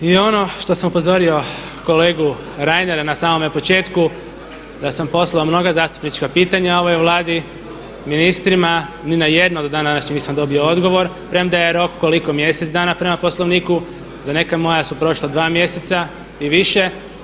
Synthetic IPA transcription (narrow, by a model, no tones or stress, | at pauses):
io̞no̞ʃt̪o̞samupo̞zo̞ɾio̞ | ko̞le̞ːɡu | ɾajneɾnasaːmo̞mepo̞t͡ʃe̞ːt̪ku | d̪asampo̞slˠaomno̞ɡazaːst̪u̥pnit͡ʃkapiːt̪aɲao̞ʋojeʋlˠaːd̪i | minist̪ɾima | ninaje̞d̪nod̪od̪aːnd̪anaʃɲenisamd̪o̞bio̞o̞d̪ɡo̞ʋo̞ɾ | pɾemd̪ajeɾo̞kkoliko̞mje̞set̪d̪aːnapɾe̞maposlˠo̞ʋniːku | zane̞kamo̞jasupɾo̞ʃlˠad̪ʋaːmje̞set̪sa | iʋiʃe̞